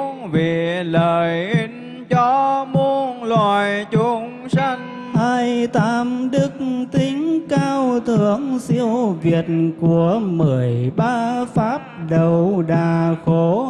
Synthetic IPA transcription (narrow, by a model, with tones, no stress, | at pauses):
vi˨˩ləː˨˩jʔi˨˦ŋ̟ | t͡ɕɔ˧˦mu˧ənlwaː˧˨˩jt͡ɕʊ˨˦ŋ͡msa˧ŋ̟ | haː˧jt̪aː˧˨˦mɗɨ˦˥k̚t̪i˨˦ŋ̟kaː˧wt̪ʰɨ˧˩˨əŋsi˧əwvi˨˩ət̚ku˧˩əmɨ˨˩əjɓaː˧faː˦˥p̚ɗə˨˩wɗaː˨˩xo˨˧˦